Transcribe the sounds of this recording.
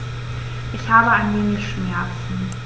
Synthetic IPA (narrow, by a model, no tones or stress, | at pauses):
ʔɪçhaːbəaɪnveːŋəçʃmɛɐt͡sn̩